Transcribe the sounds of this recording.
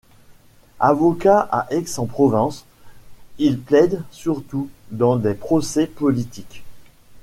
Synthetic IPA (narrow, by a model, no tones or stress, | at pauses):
avɔkaʔa̰ʔɛksɑ̃pχɔvɑ̃s | ilplɛd̪syʁt̪ud̪ɑ̃d̪epχɔsɛpɔlit̪ik